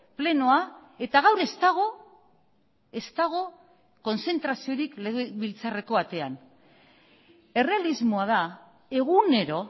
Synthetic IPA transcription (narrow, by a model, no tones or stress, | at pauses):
ple̞no̞ae̞t̪aɣawɾe̞st̪aɣ̞o̞ | e̞st̪aɣ̞o̞ | ko̞nse̞nt̪ɾasio̞ɾikleβilt͡sare̞ko̞βat̪e̞an | e̞re̞alizmoað̞a | e̞ɣ̞une̞ɾo̞